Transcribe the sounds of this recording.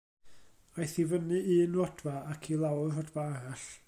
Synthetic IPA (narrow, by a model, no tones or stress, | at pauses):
ajθivənɨʔiːnwɔd̥vaakʰilˠawrɔdvaaɾaɬ